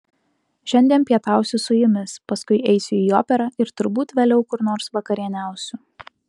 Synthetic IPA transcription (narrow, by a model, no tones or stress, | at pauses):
ʃʲɛnʲd̪ʲiɛnpʲiɛt̪ɑˑʊsʲʊsʊjɪmʲɪspɐskʊɪɛɪsʲʊiːoːpʲɛɾɐɪɾt̪ʊɾbuːt̪ʋʲeːlʲɛʊkʊɾnoːɾsʋɐkɐɾʲiɛnʲæˑʊsʲu